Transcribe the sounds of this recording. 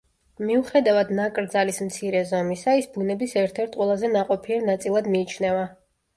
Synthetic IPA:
miuχɛd̪avad̪nakʼɾd̪zalismt̪sʰiɾɛzɔmisaisbunɛbisɛɾt̪ʰɛɾt̪ʰqʼwɛlˠazɛnaqʼɔpʰiɛɾnat̪sʼilˠad̪miːt͡ʃʰnɛva

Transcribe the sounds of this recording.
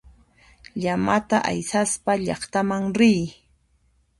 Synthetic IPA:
ʎamat̪aʔa̰jsaspaʎɑχt̪amaŋɾɪj

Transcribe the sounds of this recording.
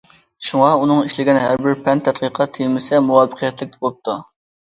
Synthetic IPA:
ʃuŋɑunɨŋiʃlɪɡʲɛnɦæɾbɪɾpʰɛnt̪ʰɛt̪̚qiqʰɑt̪ʰːejmɪsɛmuwɑpə̥qʰijɛt̪lɪk̚ʲt̪ʰɛbolˠp̚t̪ʰu

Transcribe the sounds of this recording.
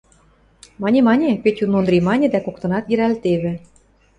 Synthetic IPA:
mɑnʲemɑnʲepet̪ʲunond̪ɾʲimɑnʲĕd̪ækokt̪ɤ̆nɑt̪jĕɾælt̪eβɘ̆

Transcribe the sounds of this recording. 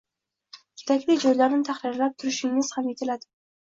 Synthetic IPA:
kʲʰe̥t̪ʰakʲlɪd͡ʒɒjlaɾnɪt̪ʰaχɾɪɾlap̚t̪ʰʊɾɪʃɪŋːɪz̥hamje̞t̪ʰɪlad̪ɪ

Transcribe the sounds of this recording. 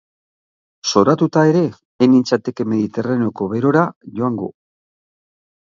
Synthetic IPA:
so̞ɾat̪ut̪ae̞ɾe̞ː | nint͡sat̪e̞ke̞me̞ðit̪e̞raneo̞ko̞βe̞ɾo̞ɾaʝo̞aŋɡo̞̰

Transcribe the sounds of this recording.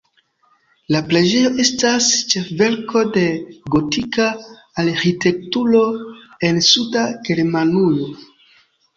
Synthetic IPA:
laple̞d͡ʒe̞jo̞ʔe̞stast͡ʃe̞fve̞ɾkʰo̞de̞ɡo̞tikaː | ɾxite̞k̚tuɾo̞ | e̞nsudaɡe̞ɾmanujo̞

